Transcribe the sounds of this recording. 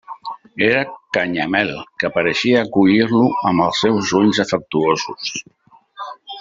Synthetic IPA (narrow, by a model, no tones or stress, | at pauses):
eɾəkaɲamɛlˠkəpəɾəʃiəːkuʎiɾluəməlˠsːɛwzuʎzəfək̚t̪uozus